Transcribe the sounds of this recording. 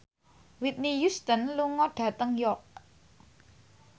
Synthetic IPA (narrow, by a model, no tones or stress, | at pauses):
wit̪̚nijust̪ənluŋɔɖ̥ä̤t̪əŋjɔk̚